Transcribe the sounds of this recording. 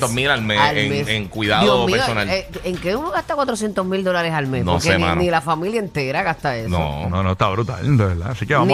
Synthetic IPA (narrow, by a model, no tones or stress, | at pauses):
t̪omilalmesaleŋmeeŋkwiðaðioomipeɾosonaleeŋkeumoɣaht̪akwat̪ɾos̬jent̪osmild̪o̞laɾesalmesnoskeemã̰nnilafamiljaent̪e̞ɾaɣast̪aessno̰nonot̪aβɾut̪a̰lnd̪oβeɾða̰sikeβan